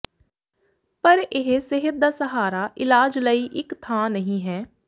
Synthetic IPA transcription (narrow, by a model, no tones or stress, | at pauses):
pəɾɪɦsɪɦət̪̚d̪aːsəɦaːɾaːʔɪlaːd͡ʒləiːʔɪkt̪ʰãːnəɦĩːɦɛː